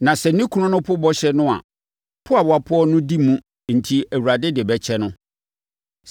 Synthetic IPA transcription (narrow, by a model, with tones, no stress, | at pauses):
nã˨sɛ˨nĩ˦kʰu˨˦ʊ̃˦nʊ̃˦pʰʊ˦bɔ˦ɕɛ˦nʊ̃˦a̰˨ | pʰʊ˦a˨wa˨pʰʊ˦ɔ˦nʊ̃˦di˦mũ˦ | n̩˨tʰi˨æ˨wu˨ɾa˨dɪ˦dɪ˨bɛ˨t͡ɕʰɛ˦nʊ̃˦